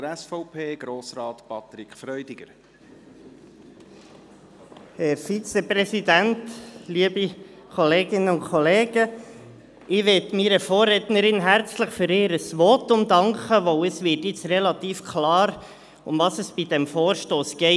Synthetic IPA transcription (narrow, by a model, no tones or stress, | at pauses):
əɾɛsfɔʊpʰeːɡ̥ɾoːsɾɑːt̪pɑt̪ɾikʰfɾœʏdɪɡ̥əɾ | hɛɾfit͡sɛprɛsidæntliəbi | kʰɔleːɡɪnːəʊnkʰɔleːɡ̥ə | ɪʋɪtmiɾəfɔːrːɛtnəɾɪnɦæɾt͡sləχfʏɾɪːɾəsʋɔtʊmd̪ɑŋkəʋɔwəsʋɪːtjɪt͡srɛlɑt̪iːfkʰlɑːɾ | ʊmvɑsəsb̥idɛmfoːɾʃtoːsɡ̥ɛɪ